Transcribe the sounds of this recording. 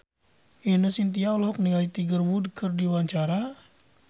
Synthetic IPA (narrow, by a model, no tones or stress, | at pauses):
inəsint̪iaɔlɔɦɔk̚niŋait̪iɡərwudkɨrdiwaɲt͡ʃaɾa